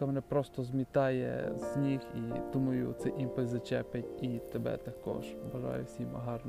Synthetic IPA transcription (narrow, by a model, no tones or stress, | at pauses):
kamenɛpɾɔst̪ɔzmʲit̪ɑjɛ̰z̥ʲnʲixid̪̥umɐjʊ̰t̪sɛʔimpɐzɐt͡ʃɛpʲɐtʲit̪ebɛ̰t̪ɐkɔ̰ʒbɐʒɑ̰jʊ̰wsʲimɐɦɑrn